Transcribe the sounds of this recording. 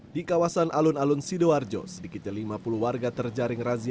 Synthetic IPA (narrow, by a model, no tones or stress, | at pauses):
dikawasanʔalʊnalunsidoard͡ʒɔ̰sədikɪt̪̚ɲalimapuluɦwarɡat̪ərd͡ʒaɾɪŋrazi